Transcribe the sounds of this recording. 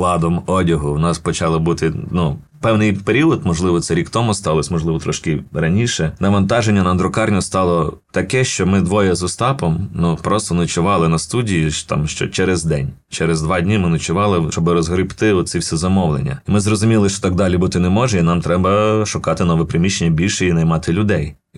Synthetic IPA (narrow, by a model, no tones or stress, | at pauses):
lˠɑd̪ɔmɔdʲɐɦʊwnɑspɔt͡ʃɑlˠɔbut̪ɪnu | pɛwnɪjpeɾʲiɔd̪mɔʒlˠɪʋɔt̪sɛɾʲikt̪ɔmʊst̪ɑlˠɔsʲmɔʒlˠɪʋɔt̪ɾɔʃkɪrɐnʲiʃɛnɐʋɐnt̪ɑʒenʲːɐnɐnd̪ɾɔkɑrnʲʊst̪ɑlˠɔt̪ɐkɛʃt͡ʃɔmɪd̪ʋɔjɛzʊst̪ɑpɔmnupɾɔst̪ɔnɐt͡ʃʊʋɑlˠɪnɐst̪udʲijiʃt̪ɑ̰mʃt͡ʃɔ̰t͡ʃɛɾɛzd̪ɛnʲt͡ʃɛɾɛzd̪ʋɑdʲnʲimɪnɐt͡ʃʊʋɑlˠɪt͡ʃɔbɪɾɔzɦɾɪpt̪ɪɔt̪siwsʲɛzɐmɔʋlˠḛnʲːɐ̰imɪzrɔzʊmʲilˠɪʃt͡ʃɔ̥t̪ɑɡ̚d̪ɑlʲibut̪ɪnɛmɔʒɛinɑmt̪ɾɛbɐʃʊkɑt̪ɪnɔʋɛpɾɪmʲiʃt͡ʃːenʲːɐbʲilʲʃɛinɐjmɑt̪ɪlʲʊd̪ɛj